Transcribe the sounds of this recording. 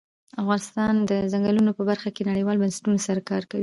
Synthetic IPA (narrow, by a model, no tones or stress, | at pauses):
afɣɑnɪst̪ɑnd̪əzaŋɡalunopəbaɾxakenaɽəjwɑlbansɪ̥ʈunsaɾakɑɾkawi